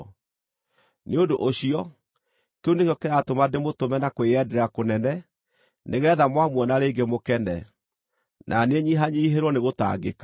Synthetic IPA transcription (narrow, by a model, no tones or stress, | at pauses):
neodoʔoɕiɔ | keunekjɔkɛɾatomademotomɛnakweɛdɛɾakonɛnɛ | neɣɛðamwamwɔnaɾeːɡemokɛnɛ̰ | nʔaneɲiɦaɲiɦeɾwɔneɣota̰ːɡekḁ